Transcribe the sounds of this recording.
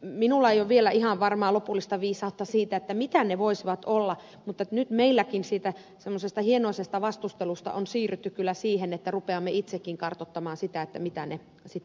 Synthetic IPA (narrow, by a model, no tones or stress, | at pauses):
minulːɑeijoʋʋielæihɑʋʋɑrmɑːlopulːist̪ɑʋiːsɑut̪ːɑsiːt̪æet̪ːæmit̪æneʋoisiʋɑt̪olːɑ | mut̪ːet̪nyt̪meilːækinsiːt̪æ | semːosest̪ɑhienoˑisest̪ɑʋɑst̪ust̪elust̪ɑ̰ʔonsiːryt̪ːykkylːˑæsiːhenet̪ːærupeɑmːeit̪sekːiŋkɑrt̪ot̪ːɑmɑːnsit̪æet̪ːæmit̪æne | sit̪ː